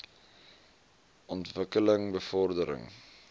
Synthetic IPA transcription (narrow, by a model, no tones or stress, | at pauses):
ʔɔntvəkələŋbəfɔrdəɾə̰ŋ